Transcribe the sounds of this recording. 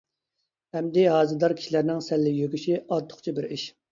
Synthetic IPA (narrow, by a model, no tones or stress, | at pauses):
hɛmd̪ɪɦɑːzɨd̪ɑɾkʲʰi̥ʃilæɾnɪŋsɛlːɪjøkʲyʃiɑt̪ʰːʊ̥χt͡ʃʰibɪɾiʃ